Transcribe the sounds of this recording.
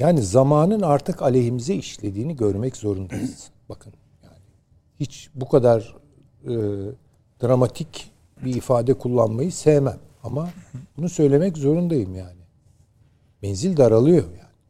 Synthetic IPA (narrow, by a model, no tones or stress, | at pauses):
jaːnizamaːnɯnaɾt̪ʰɯkalʲeɦimizɛiʃlʲe̞d̪iːniɟøɾmɛczo̞ɾund̪ajɯz̥ | bakʰɯn | jaːnɪ | hit͡ʃbukʰad̪aɾ | ɯː | d̪̥ɾamat̪ʰic | biːfaːd̪ɛkʰulˠːanmajɯsejmæm | amabunusø̞jlʲe̞mɛczo̞ɾund̪ajɯmjaːnɪ | bɛnzilʲd̪aɾalˠɯjo̞jaːnɪ